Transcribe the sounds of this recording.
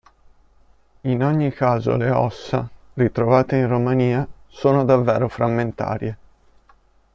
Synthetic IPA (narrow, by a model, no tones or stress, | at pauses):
inoɲːikaːzo̰leɔsːa̰rit̪ɾovaːt̪einromaniːasoːnod̪avːeːɾofɾamːent̪a̰ːɾje